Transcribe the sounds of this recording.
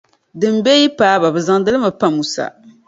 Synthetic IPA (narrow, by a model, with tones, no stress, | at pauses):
dɨ˨m˨be˦ji˦paː˦ba˨bɨ˨za˦ŋdɨ˦lɨ˦mɨ˨pa˦mu˨sa̰˨